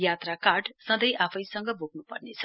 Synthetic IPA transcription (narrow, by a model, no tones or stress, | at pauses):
jat̪rakaʈsʌ̃nd̪ʌjʔapʰʌjsʌŋɡʌbuɡnupʌrnet͡sʰʌ̥